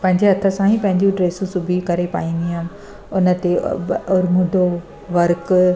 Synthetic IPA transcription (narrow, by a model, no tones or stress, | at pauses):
pɐ̃ɦɪɲd͡ʑeɦɐt̪ʰəsãɦĩpɐ̃ɦɪ̃ɲd͡ʑũʈɾeːsũsubʱikɐɾepa̰ːĩːn̆d̪iɦam | ʊnə̆t̪eʊɾmʊɖʱo | ʋɐɾk